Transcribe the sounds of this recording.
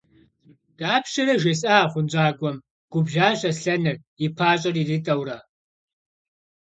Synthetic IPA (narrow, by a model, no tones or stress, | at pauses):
d̥aːpʃɐɾɐʒesʼaːχʷʊnd͡ʒʼaːɡʷɔm | ɡ̥ʷʊbʒaːɕʼɐsɬɐnɨr | ipʰaːɕʼɐridɨtʼɐwrɐ